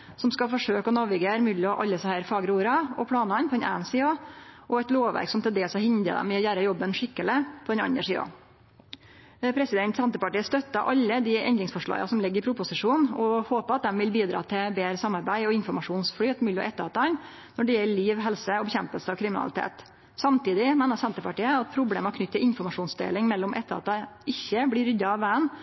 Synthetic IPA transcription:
sɔmskɑfɔʂøːkɔnɔʋɪɡeɾmʉːlɪɔʔɑlːəsɑhæːɾfɑːɡɾuːɾɑɔpʰlɑːnɑnpʰɔd̪ɛnʔæ̰ːənsiːɑʔɔɛt̪loːʋʋæ̰ɾksɔmt̪ʰɪld̪eːlsɑhɪnd̪ə̰d̪ɛ̰mːɛɔjæːɾəjɔbːənʂɪkːəlɪpʰɔd̪ɛnɑ̰nəʂiːɑ̰ | pʰɾɛsɪd̪ɛnt̪sɑnt̪əpɑʈiːəst̪œt̪ːɑʔɑlːəd̪ɪɛ̰nd̪ɾɪŋsfɔʂɭɑ̰ːɡɑ̰sɔmlɪɡːəɾɪpʰɾʊpʊsɪʂuːnɔhoːpəɑt̪̚d̪ɛmʋɪlbiːd̪ɾɑ̰ːt̪ʰɪbeːɾəsɑmːɑɾbæɪɔɪnfɔɾmɑʂuːnsflyːt̪mʉːlɔ̰ʔɛt̪ːəɾɑt̪ːɑn | nɔɖɛjɛlːəɭiːʋɦɛlsəɔbɛçɛmpəlsəɑʋkʰɾɪmɪnɑ̰lɪ̰t̪ʰḛːt̪ | sɑmt̪iːd̪ɪmeːnəsɛnt̪əpɑʈiːəɑt̪̚pʰɾʊbleːmɑkʰnʏt̪ːəɾʔɪnfɔɾmɑʂuːnsd̪ḛːlɪŋmɛlːɔmʔɛt̪ːəɾɑ̰t̪̚d̪ɛʔɪçːəblɪɾʏd̪ɑɑʋʋæːən

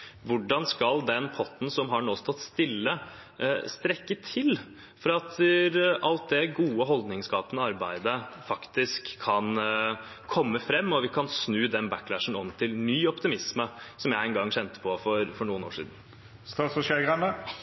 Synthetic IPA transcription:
ʋʊɖɑnskɑld̪ɛnpʰɔt̪ːn̩sɔmɦɑɳoːst̪ʰɔt̪ːst̪ɪlːə | st̪ɾɛkːət̪ʰɪl | fɔɾɑɑt̪ʔɑlt̪̚d̪ɛɡuːəɦɔld̪nɪŋskɑːpənəɑɾbæɪd̪əfɑkt̪ɪskʰːɑn | kʰɔmːəfɾɛmːɔʋɪkʰɑnsnʉːd̪ɛnbækːlæʂən̩ɔmt̪ʰɪlnyːɔpt̪ɪmɪsməsɔmjæɪɛnɡɑŋːɕɛnt̪ə̥pʰɔfɔɾfɔɳuːəno̰ːʂḭːd̪n̩ | st̪ɑːt̪sfɔʃeɡʁənə

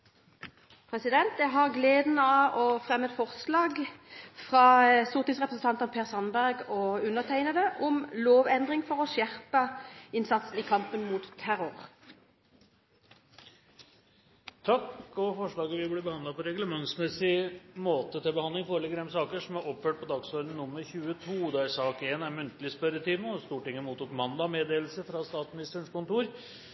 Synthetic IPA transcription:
pʰʁɛsɪd̪ɛnt̪d̪æɦɑʁɡleːd̪n̩ɑːɔfʁɛmːəɛt̪fɔʁslɑːɡfʁɑːsʊʁt̪ɪsʁɛpʁəsn̩t̪ɑnt̪ənpʰeːʁsɑnbæʁɡɔʉnəʁt̪ʰæɪnəd̪əʔʊmloːʋɛnd̪ʁɪŋfɔʁɔʃjæʁpəɪnsɑt̪sn̩iːkʰɑmpənmuːt̪t̪ʰːæʁʊʁ | t̪ʰɑkɔfɔʂɭɑːɡəʋɪblɛbəhɑnd̪ɑpʰɔɾɛɡləmɑŋsmɛsɪmoːt̪ət̪ɪlbəhɑnd̪ɪŋfɔɾlɛɡəd̪ɛmsɑːkəʂɔmæɾɔpføːʈ̚pʰɔd̪ɑɡsøːlən̩nːʊmːəɾçʉːət̪ʰuːd̪ɑsɑːkeːnæɾmʉnt̪əlɪspœɾət̪ʰiːməɔst̪uːʈɪŋːəmuːt̪uːkmɑnd̪ɑmeːd̪eːll̩səfɾɑst̪ɑːt̪smɪnɪst̪əɳkʊnt̪uːɾ

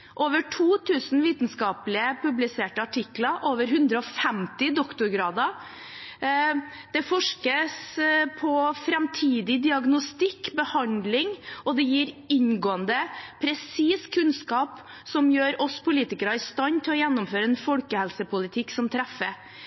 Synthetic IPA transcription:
ʔoːʋəʈʰuːt̪ʰʉːsn̩ʋiːt̪n̩skɑːplɪəpʉblɪseːʈəɑʈʰɪkːlɑʔoːʋəɾɦʉnd̪ɾəɔfɛmt̪ɪd̪ɔkt̪ʊɾɡɾɑːd̪ɑ | d̪̥ɛfɔʂkəspʰɔfɾɛmt̪ʰiːd̪ɪd̪ɪɑɡnʊst̪ɪkːbəhɑnd̪lɪŋɔd̪ɛjiːɾɪɲɡoːənd̪əpʰɾɛsiːskʰʉnskɑːp | sɔmjøːɾɔspʰʊliːt̪ɪkəɾɑɪst̪ɑnt̪ʰɪlɔjɛnːʊmføːɾəɛːnfɔlkəhɛlsəpʊlɪt̪ʰɪkːsɔmt̪ʰɾɛfə

